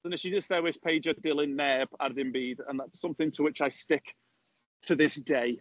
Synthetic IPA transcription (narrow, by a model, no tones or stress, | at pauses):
ə̃nɪfʃidɪsðəwɪspʰeɪd͡ʒəd̥ɪlˠɪ̃ŋnɛb̥a̰ɾðɪ̃nbiːdə̰̃nðatsʊ̃mθɪ̃ŋtʰəwɪt͡ʃaɪstɪk | tʰəðɪsd̥eɪ